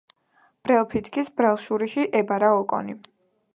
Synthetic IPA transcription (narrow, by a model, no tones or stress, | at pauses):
b̥ɾɛlˠpʰit̪ʰkʰisbɾɛlˠʃuɾiʃiʔɛbaɾaɔkʼɔ̰ni